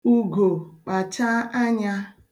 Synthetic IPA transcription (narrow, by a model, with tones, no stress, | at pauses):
u˦ɡo˨k͡pa˨t͡ʃa˦a˦ɲa˦